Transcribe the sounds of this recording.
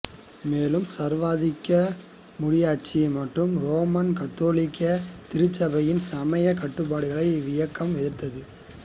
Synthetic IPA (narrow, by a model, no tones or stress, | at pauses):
meːlɯmsɐɾʋaːðɪkːɐ | mʊɽɪjaːt͡ʃːimɐʈrɯmɾoːmɐnkɐt̪ːoːlɪkːɐt̪ɪɾɯt͡ʃːɐbɐjɪnsɐmɐjɐkɐʈːɯpːaːɽɯɣɐɭɐɪʋɪjɐkːɐmʋɛðɪɾt̪ːɐðɯ